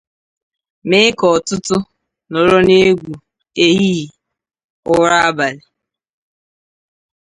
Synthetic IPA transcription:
mɪ˦kɔ˨tʊ˦tʊ˦ | nʊ˨ɾʊ˦ne˦ɡʷu˨ | e˦ɦi˦i˨ | ʊ˦ɾa˦a˦ba˨lɪ˨

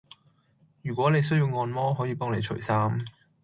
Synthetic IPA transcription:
jyː˨˩kʷɔː˨˥ne˨˧js̬ɵ˥ɥji˧wŋɔː˧nmɔː˥ɦɔ˨˥jiː˨˧pɔː˥ŋne˨˧t͡ʃʰɵ̰˨˩saː˥m

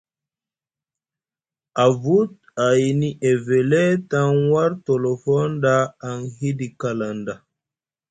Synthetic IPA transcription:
a˨vu˦t | a˨ini˦ʔe˨ve˨lɛ˦tã˦ŋwa˦ɾtɔ˨lɔ˨fɔ˦ndaː˦˨ŋhi˦di˨ka˨la˨nda˨

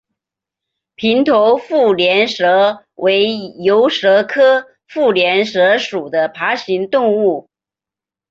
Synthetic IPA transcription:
pʰi˧˥nt̪ʰo˧˥ʊfu˥˩ljɛ˧˥nʂɤ˧˥ | wʔe˧˥ɪjo˧˥ʊʂɤ˧˥kʰɤ˥ | fu˥˩ljɛ˧˥nʂɤ˧˥ʂu˨˩d̪ə˦pʰa˧˥ɕi˧˥ŋt̪ʊ˥˧ŋu˥˩

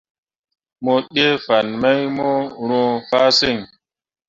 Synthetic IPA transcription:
mo˦ɗe˦fa˨nma˦jmo˦ɾõ˦fa˦se˦˨ŋ

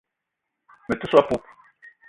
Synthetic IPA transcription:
me˨t̪u˦swa˦pu˦p

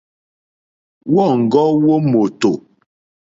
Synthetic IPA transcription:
wɔ˦˨ŋ̩˨ɡɔ˦wo˦mo˨to˨

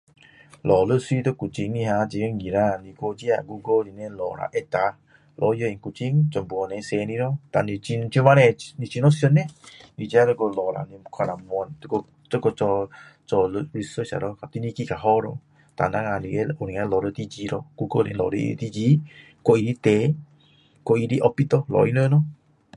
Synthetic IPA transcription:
lɔ˨lə˦swi˧t̪o˦ku˨t͡ʃi˧ŋni˧ɦa˧d͡ʒi˧ɡe˦ŋɡi˨ɾa˧˨ni˧ko˧d͡ʒi˦a˧˨ɡu˧ɡo˦li˨ne˧lɔ̰˨ɾa̰˨ʔe˦t̪a˧ | lʔɔ˧˦jo˧˦i˨ŋku˧t͡ʃi˦ŋt͡ʃɔ˨mbu˨ɔ˨˧ne˧˦se˧ni˧ɾɔ˦t̪a˨ni˧i˧nt͡ʃu˧ma˦ɾe˧ni˧t͡ʃi˧nɔ˦siɔ˧ne˦ni˧d͡ʒi˧˦a˦t̪ə˧ko˧lɔ˨ɾa̰˨ni˧kʰa˧na˨mu˧ɔ˧nt̪ko˧ | t̪o˦ko˧t͡ʃɔ˧ | t͡ʃɔ˧lɾi˧sə˦t͡ʃa̰˨ɾɔ˦ka˨t̪i˧ni˧ki˦ka˨ɦɔ˦ɾɔ̰˧ | t̪a̰˨na˦ŋa˧li˨ɡe˦u˨ɾi˨ŋa˧lɔ˨ɾo˧t̪i˦d͡ʒi˧ɾɔ˧ɡ̥u˦ɡo˦lḭ˨lɔ̰˨ɾḭ˦t̪i˦d͡ʒi˧ | ko˦i˧ɾi˦t̪e˨˦ | ko˨i˧ɾi˦ʔɔ˧pi˦t̪ɔ˦lɔ̰˨i˦nə˦nɔ˦

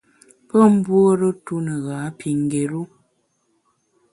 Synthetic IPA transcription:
pə˦m̩˦bwo˦ɾə˦tu˦nə˨ɣaː˨˦pi˨ŋ˨ɡe˨ɾu˦

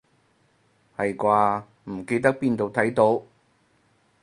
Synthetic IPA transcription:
hɐ˨jkwaː˧ | m̩˨˩ke˧jt̪̬ɐ˥k̚piː˧nt̪o˨wt̪ʰɐ˨˥jt̪o˨˥w

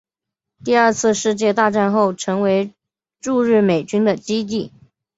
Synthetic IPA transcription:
t̪i˥˧ə˞˥˧t͡sʰɹ̩˥˧ʂɻ̩˥˧t͡ɕjɛ˥˧t̪a˥˧ʈ͡ʂa˥˧nxo˥˩ʊʈ͡ʂʰɤ˧˥ŋwe˧˥ɪ | ʈ͡ʂu˥˧ɻɻ̩˥˩me˨˩ɪt͡ɕy˥nd̪ə˨t͡ɕi˥t̪̬i˥˩

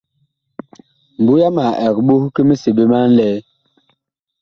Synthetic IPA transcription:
m̩˨bu˦ja˦ma˨ʔɛ˨kɓu˦hke˦me˦si˨ɓe˦ma˦n˦lɛ˦

